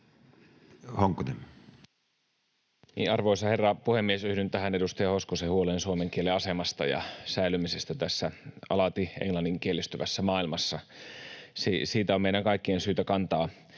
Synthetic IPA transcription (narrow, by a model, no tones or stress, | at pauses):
hoŋkːunem | nḭːʔɑrʋoisɑherːɑpuhemːiesyhdynt̪ːæhænedust̪ɑjɑhoskosehuoleːnsuomeŋkieleɑsemɑst̪ɑ̰jɑ̰sæilymisest̪æt̪æsːæɑ̰lɑt̪iḛŋlɑnːiŋkielːˑist̪yʋæsːæmɑːilmɑsːɑ | sisiːt̪æommeiɾæŋkɑikːiensyːt̪ækɑnt̪ɑː